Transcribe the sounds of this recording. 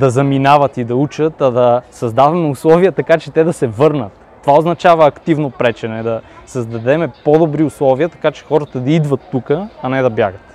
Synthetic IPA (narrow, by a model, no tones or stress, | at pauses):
d̪ɐzɐminavɐt̪id̪ɐut͡ʃət̪ɐd̪ɐsɐzd̪avɐmɛʊslˠɔvijət̪ɐkat͡ʃɛt̪ɛd̪ɐsɛvɤɾnət̪ːovaoznɐt͡ʃavɐːkt̪ivnopɾɛt͡ʃɛnɛd̪ɐsɐzd̪ɐd̪ɛmɛpod̪obɾiʊslˠɔviət̪ɐ̥kat͡ʃɛ̥xɔɾət̪ɐd̪ɐid̪vɐt̪ːukəɐnɛd̪ɐbjaɡət̪